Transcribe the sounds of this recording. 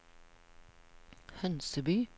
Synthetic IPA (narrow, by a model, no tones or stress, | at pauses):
hœnsəbyː